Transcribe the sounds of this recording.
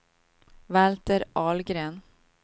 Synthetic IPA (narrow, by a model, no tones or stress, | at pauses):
vælt̪əɾʔɑːlɡɾeːn